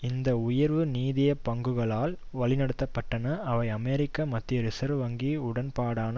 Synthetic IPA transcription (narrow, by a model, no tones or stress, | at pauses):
ɪnd̪ɐʊjɐɾʋɯniːðɪjɐpːɐŋɡɯɣɐɭaːl | ʋɐɭɪnɐɽɯt̪ːɐpːɐʈːɐnɐʔɐʋɐɪɐmeɾɪkːamɐt̪ːɪɐɾɪsɐɾʋɐŋɡiʊɽɐnpaːɽaːnɐ